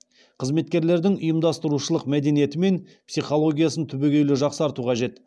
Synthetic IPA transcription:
qʰəzme̞t̪kʲe̞ɾle̞ɾd̪ɪŋʊ̰jəmd̪ɑst̪əɾuʃəlˠəqmæd̪e̞nije̞t̪ɪme̞n | psijχo̞lˠo̞ɡʲijasənt̪ʰʏbeɡʲewlɪʒɑqsəɑɾt̪uqʰɑʒe̞t̪

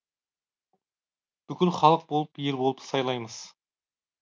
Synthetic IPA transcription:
b̥ʏkʲɪlχɑlˠəq̚bolˠəpjeɾbo̞lˠəpsɑjlˠɑjməz̥

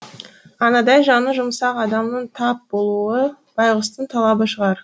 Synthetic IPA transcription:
ɑnɑd̪ɑjʒɑnəʒʊmsɑqɑd̪ɑmnəɴt̪ʰɑp̚bo̞lˠuə | b̥ɑjʁəst̪ənt̪ʰɑlˠɑbəʃəʁɑɾ

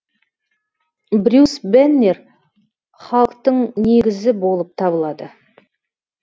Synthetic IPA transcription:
bɾʲusbenːer | χɑlˠəq̚t̪əɴneɡʲɪzɪbo̞lˠəp̚t̪ʰɑbəlˠɑd̪ə

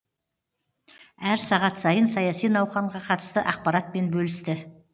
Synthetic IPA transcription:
æɾsɑʁɑt̪sɑjənsɑjɑsijnɑwχɑɴʁɑqʰɑt̪ə̥st̪əʔɑq̚pɑɾɑt̪̚mpe̞nbɵlɪst̪ɪ

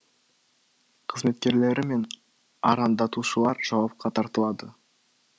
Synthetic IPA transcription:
qʰəzme̞t̪kʲe̞ɾle̞ɾʔɪme̞n | ɑ̰ɾɑnd̪ɑt̪uʃəlˠɑɾʒ̥ɑwɑp̚qɑt̪ʰɑɾt̪əlˠɑd̪ə

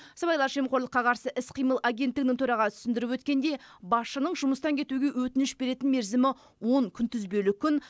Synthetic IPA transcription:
sɑbɑjlˠɑɾʒe̞mqʰoɾlˠəqːɑqʰɑɾsəʔɪsqʰijməlˠaɡʲe̞nt̪ːɪɡɪnɪŋt̪ʰʊɾɑʁɑt̪ʰʏ̥sɪnd̪ɪɾɪpwɵt̪̚kʲe̞nd̪e̞bɑsʃənəɴʒʊməst̪ɑŋkʲʰe̞t̪uɡʲe̞wɵt̪ɪnɪʃbe̞ɾe̞t̪ɪnme̞ɾzɪmɪ | wo̞ŋkʲʰʏnt̪ʰʏzbe̞lɪkʲʰːʏn

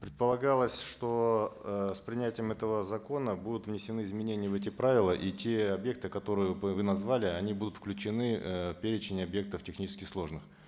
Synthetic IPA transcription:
pɾʲɪt̪̚pəlˠɐɡalˠəsʲʂt̪o̞ | spɾʲɪnʲætʲɪjəmɛt̪əvəzɐko̞nəbud̪ʊt̪vnʲɪsʲɪnɨɪzmʲɪnʲenʲɪjəvɛt̬ʲɪpɾavʲɪlˠəʔitʲe̞ɐbje̞k̚t̪ɨkɐt̪o̞ɾɨjəvɨnɐzvalʲɪɐnʲibud̪ʊt̪fklʲʉt͡ɕɪnɨpʲeɾʲɪt͡ɕɪnʲɪɐbje̞k̚t̪əftʲɪxnʲit͡ɕɪskʲɪslˠo̞ʐnɨx

